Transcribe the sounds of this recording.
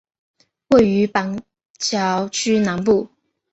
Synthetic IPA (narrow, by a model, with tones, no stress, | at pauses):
we˥˩ɪy˧˥pa˧˥n | t͡ɕjɑ˧˥ʊt͡ɕʰy˥na˧˥npu˥˩